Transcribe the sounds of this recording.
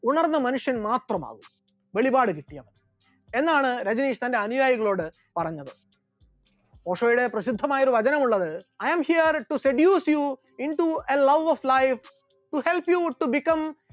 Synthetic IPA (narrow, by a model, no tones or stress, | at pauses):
uɳɐrnːɐmɐnuʂjɐnmaːt̪rɐma̰ːɣum | ʋe̞ɭibaːɽɨkiʈːijɐʋɐ | e̞nːaːɳɨɾɐd͡ʑineːʂt̪ɐnde̞ɐnujaːjiɣɐɭo̞ːɽɨ | pɐrɐɲːɐðɨ | poːʂoːjuɽe̞prɐɕid̪ʱːɐmaːjoɾuʋɐd͡ʑɐnɐmuɭːɐðɨɐjɐmhijɐrʈuseɖjuːsju | inʈuelɐʋoflɐjf | ʈuhelpjuʈubikːɐ̃m